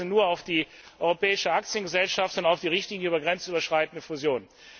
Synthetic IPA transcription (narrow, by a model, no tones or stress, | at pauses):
nuːɐaʊfd̥iː | ʔʔɔʏʁopɛːɪʃəak̚t͡sjənɡəzɛlʃaftʊntaʊfd̥iːʁɪçtliːnjəybɐɡʁɛnt͡sʔyːbɐʃʁ̥aɪtn̩dəfuzjoːnən